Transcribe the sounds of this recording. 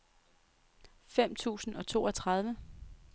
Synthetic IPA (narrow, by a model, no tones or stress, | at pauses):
fem̰t͡sʰṵːsn̩ɒ̽t͡sʰo̝̰ːɒ̽t͡sʰʁɑ̈ð̞ˠʋə